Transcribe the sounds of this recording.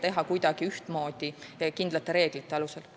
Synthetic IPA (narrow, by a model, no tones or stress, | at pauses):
t̪e̞ɦɑkujd̪̥ɑɡ̥iyht̪mo̞ːd̪̥ikind̪lɑt̪ːˑe̞ɾe̞ːɡ̥lit̪ːˑe̞ɑlusel